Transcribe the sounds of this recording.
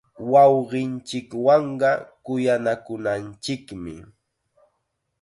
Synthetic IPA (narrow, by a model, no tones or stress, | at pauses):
wɑwɢɪnt͡ʃɪkwɑɴɢɑkʊjanakʊnant͡ʃɪkmɪ̰